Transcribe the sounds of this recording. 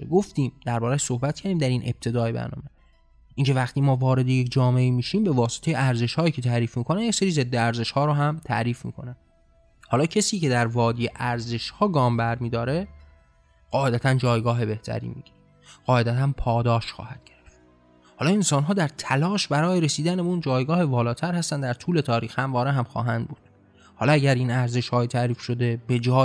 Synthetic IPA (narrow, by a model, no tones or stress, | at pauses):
ɡoft̪iːmd̪̥æɾbɒːɾæʃsohbæt̪̚cʰæɾd̪iːmd̪æɾinʔe̞̰b̥̚t̪ʰe̞d̪ɒːjebæ̰ɾnɒ̰ːme | ʔiːŋcʰevæxt̪ʰiːmɒːvɒːɾe̞d̪ejecd͡ʒɒːmeiːmiːʃiːmbe̞vɒːse̥t̪ʰe̞jeæɾze̞ʃhɒːjiːcʰe̞t̪ʰæʔɾiːfmiːkʰonænjecseɾiːze̞d̪ːeæɾze̞ʃhɒːɾoɦæmt̪ʰæ̰ʔɾiːfmḭkʰo̞̰næn | hɒːlɒːcʰesiːce̞d̪æɾvɒːd̪ijeʔæɾze̞ʃhɒːɡɒːmbæɾmiːd̪ɒːɾe | ɢ̥ɒːed̪æt̪ʰænd͡ʒɒːjɡɒːɦe̞be̞ht̪ʰæ̰ɾḭːmḭːɡ̥iɾe | ɢɒːe̞d̪æt̪ʰænpʰɒːd̪ɒːʃxɒ̰ːhæd̪̥̚ɡɟeɾeft̪ | hɒːlɒːensɒːnɦɒːd̪æɾt̪ʰælɒːʃbæɾɒːjeɾesiːd̪ænbund͡ʒɒːjɡɒːhevɒːlɒːt̪ʰæɾhæst̪ænd̪æɾt̪ʰuːle̞t̪ʰɒːɾiːxhæmvɒːɾeɦæmxɒ̰ːɦænd̪̚buːd̪̥ | hɒːlɒæɟæɾiːnæɾze̞ʃhɒːjet̪ʰæʔɾiːfʃo̞d̪e̞be̞d͡ʒɒː